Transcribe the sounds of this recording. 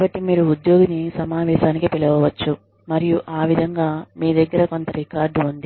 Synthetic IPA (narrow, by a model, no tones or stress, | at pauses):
kːbɐʈːimiːɾuːd̪jo̞ːɡunisɐmaːʋɛːʃaːnikipiɭɐʋɐʋɐt͡ʃːu | mɐɾijuʔaːʋid̪ʱɐŋɡaːmiːd̪ɐɡːɐɾɐko̞nt̪ɐɾikaːɾɖund̪i